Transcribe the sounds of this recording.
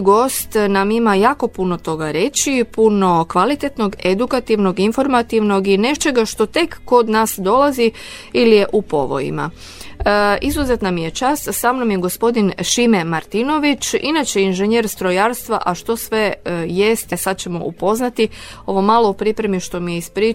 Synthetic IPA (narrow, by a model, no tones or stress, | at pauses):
ɡo̞st̪namimajaːko̞puno̞t̪o̞ɡaɾe̞t͡ʃipuno̞kʋalit̪e̞t̪no̞ɡe̞d̪ukat̪iʋno̞ɡinfo̞ɾmat̪iʋno̞ɡine̞t͡ʃe̞ɡaʃt̪o̞t̪e̞kːo̞d̪naːsd̪o̞lazi | ilijeʔupo̞̰ʋo̞̰jḭma̰ | izuze̞t̪namije̞t͡ʃast̪saːmnomjeɡo̞spo̞d̪inʃimemaɾt̪ino̞ʋit͡ʃinat͡ʃeinʒeɲeːɾst̪ɾojaɾst̪ʋa̰ʔaʃt̪o̞sʋe̞je̞st̪esad̪̚t͡ɕe̞mo̞̰ʔupo̞znat̪io̞ʋo̞malˠoupɾipɾe̞miʃt̪o̞mijeispɾi